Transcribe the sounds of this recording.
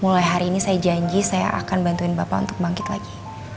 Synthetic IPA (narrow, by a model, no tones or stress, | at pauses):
mulajɦaɾiːnisajad͡ʒaɲd͡ʒisaja̰ʔa̰kanbant̪uɪnbapa̰ṵnt̪ʊk̚baŋkɪt̪laɡi